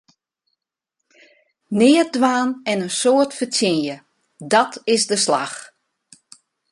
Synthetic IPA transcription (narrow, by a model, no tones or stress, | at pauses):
nɪːədʋaːnɛnənsoətfətʰjɪnjə | dɔtɪsdəsla̰x